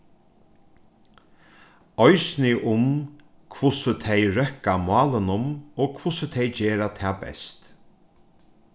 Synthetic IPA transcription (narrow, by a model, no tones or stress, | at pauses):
ɔjsnɪʔʊm | kʰvʊsʊt̪ʰɛjɾœhkamɑːlɪnʊmoːkʰvʊsət̪ʰɛjd͡ʒeːɾat̪ʰɛːbɛ̰st̪